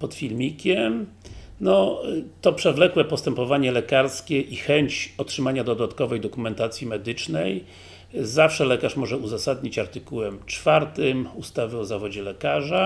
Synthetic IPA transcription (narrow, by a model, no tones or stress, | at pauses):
pɔt̪fʲilmʲikʲɛm | nɔt̪ɔpʂɛvlɛkwɛpɔst̪ɛmpɔvaɲɛlɛkaɾskʲɛʔixɛɲt͡ɕɔtʂɘmaɲad̪ɔd̪at̪kɔvɛjd̪ɔkumɛnt̪at̪sʲjimɛd̪ɘt͡ʂnɛj | zafʂɛlɛkaʂmɔʐɛuzasad̪ɲit͡ɕaɾt̪ɘkuwɛmt͡ʂfaɾt̪ɘmust̪avɘɔzavɔd͡ʑɛlɛkaʐa